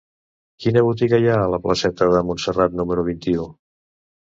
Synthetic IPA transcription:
kinəβ̞ut̪̬iɣəjaələpləsɛt̪əðəmunsərat̪numəɾuβ̞int̪iu

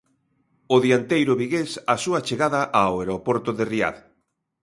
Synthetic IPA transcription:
ʊðiant̪ejɾʊβiɣesasuat͡ʃeɣaðaʔaoeɾopoɾt̪ʊðeria̰ð

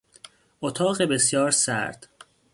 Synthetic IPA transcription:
ʔot̪ʰɒːɣebe̞sjɒːɾsæ̰ɾd̪̥

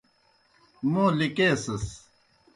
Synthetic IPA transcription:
mõːlikeːsɐs

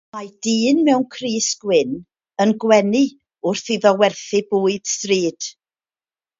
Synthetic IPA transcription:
majd̥iːnmɛwnkʰriːsɡ̥wɪn | ənɡwɛni | ʊrθiðɔwɛrθɨbuːɨd̥striːd̥

